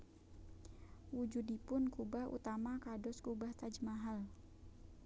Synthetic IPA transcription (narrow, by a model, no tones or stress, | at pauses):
wud͡ʒudipʊnkubahṵt̪amakadɔskubaht̪ad͡ʒəmaɦal